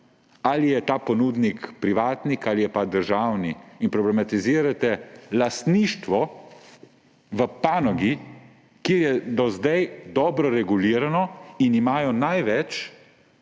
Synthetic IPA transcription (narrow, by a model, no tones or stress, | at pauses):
alijɛt̪aːpɔnuːd̪nikpɾiʋaːt̪nikalijɛpad̪əɾʒaːwniːnpɾɔblɛmat̪iziːɾat̪ɛlast̪niːʃt̪ʋɔ | ʋəpaːnɔɡi | keːɾjɛd̪ɔzd̪ajd̪ɔːbɾɔɾɛɡuliːɾanɔinimaːjɔnajʋɛt͡ʃ